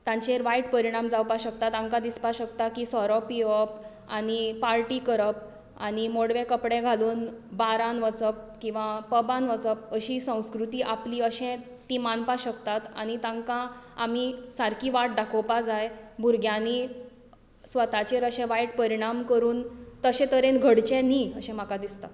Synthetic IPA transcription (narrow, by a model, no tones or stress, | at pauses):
t̪ãɲt͡ɕeɾʋajʈpəɾiɽ̃amd͡zawpaɕək̚t̪at̪ãŋkãd̪ispaɕək̚t̪akisɔɾɔpiəp | aɽipaɾʈiːkəɾəp̚ | aɽ̃imoɽʋẽkəpɽẽɡʱaluːnbaɾãnʋət͡səp̚kĩw̃ʋapəbãnʋət͡səp̚əɕiːsə̃w̃skɾut̪iːʔapliːəɕɛ̃ | t̪imanpaɕəkt̪at̪a̰ɽ̃it̪ãŋkãam̤isaɾkʰiːʋaʈ̚d̪akʰowpad͡zajbʱuɾɡʱjani | sʋət̪at͡ɕeɾəɕɛ̃ʋajʈ̚pəɾiɽ̃amkəɾuːnt̪əɕɛ̃t̪əɾẽnɡʱəɽt͡ɕɛ̃niəɕɛ̃m̤akad̪ist̪a̰t̪